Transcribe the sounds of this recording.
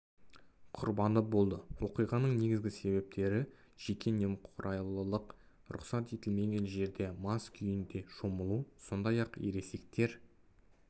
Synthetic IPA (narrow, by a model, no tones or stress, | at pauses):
qʰʊɾbɑnd̪əp̚bo̞lˠd̪əwo̞qijʁɑnəɴne̞ɡʲɪzɡʲɪse̞βe̞p̚t̪ʰe̞ɾɪ | ʒ̥e̞kʲʰe̞ne̞mqʰʊɾʔɑjlˠəlˠəq | ɾʊ̰qsɑt̪e̞t̪ɪlmenʲenʒe̞ɾd̪e̞mɑskʲʰʏjɪnd̪e̞ʃo̞məlˠuso̞nd̪ɑjɑqeɾe̞se̞k̚t̪e̞ɾ